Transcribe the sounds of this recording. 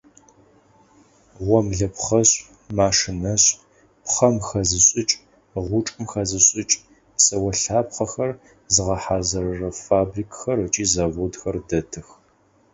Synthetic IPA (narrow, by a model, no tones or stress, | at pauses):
ʁʷɔmɮɐpχɐɕʼ | maːʂɨnɐɕʼ | pχɐmxɐzɨɕʼɪt͡ʃʼ | ʁʷʊʈ͡ʂʼɨmxɐzɨɕʼɪt͡ʃʼ | psɐwɐɬaːpχɐxɐr | zɨʁɐħaːzɐrɐrɐfaːbriːkʰʼxɐrɨt͡ʃʼiːzaːvoːdxɐrdɐtʰɨx